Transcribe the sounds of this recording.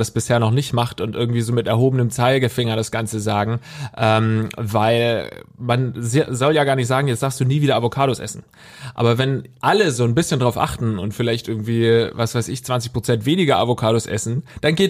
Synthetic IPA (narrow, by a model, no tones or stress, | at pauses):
d̥asb̥ɪsheːɐnɔχnɪçtmaχtʊntʔɪɐɡŋ̩tv̥iːzoːmɪtɛɐɦoːbənəmt͡saɪlɡəfɪŋɐɾasɡ̥ant͡səzaːɡŋ̩ʔɛːmvaɪlmanzzɔljaːɡaːɐnɪçtz̥aːɡŋ̩jɛt͡stz̥aːkstd̥uːniːviːdɐʔavokʰaːɾosʔɛ̰sn̩ | ʔa̰ːbɐvɛnʔaləzoːnbɪsçəndʁaʊʔa̰χtn̩ʊ̰ntfɪlaɪçtʔɪɐɡŋ̩tv̥iːvasv̥aɪsɪ̰çt͡sv̥ant͡sɪçpʁ̥ot͡sɛntv̥eːnɪɡɐʔa̰vokʰaːɾosʔɛ̰sn̩d̥anɡeː